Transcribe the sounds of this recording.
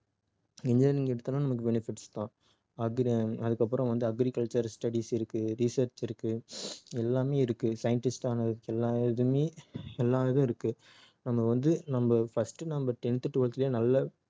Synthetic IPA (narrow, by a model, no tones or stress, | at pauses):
ɪɲd͡ʒɐɾnɪŋɡɐɛɽɯt̪ːɯnːaːnɐmɐkːɯbɛnɪfɪʈst̪ãː | ɐɡɾɐðɯkːɐpːɯɾɐ̃ʋɐnd̪ɯɐɡɾikɐlt͡ʃɐɾsʈɐɽisɪɾɯkːɯɾisɐɾt͡ʃɪɾɯkːɯɛlːaːmeːɪɾɯkːɯsɐjɐɳʈɪsʈaːnɐɯkːɛlːaːðɯmeːɛlːaːʋɐðʊ̃ɪɾɯkːɯ | nɐmːɐʋɐnd̪ɯnɐmbɐfɐsʈɯnɐmbɐʈ̪ɛnɪt̪ːɯʈːɯʋʊɭɐt̪ːɪljeːnɐlːɐ